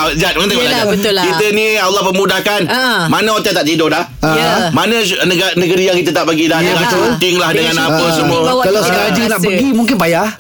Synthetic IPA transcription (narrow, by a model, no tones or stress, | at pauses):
d͡ʒat̪̚mat̪əɡbət̪lkit̪ənĩalːɔhpəmũdahkanmanãot̪ɛt̪aʔt̪idodah | mãnə̃ | nəɡnəɡəɾijaŋkit̪̬ət̪aʔpəɡidahdəŋaənt̪ɪŋlahdəŋãnapəsəmũawaad͡ʒənaʔpəɡimũŋk̬ɪnbaja